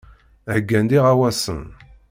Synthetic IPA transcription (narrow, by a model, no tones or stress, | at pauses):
ɡːænd̪iʁawæsə̰n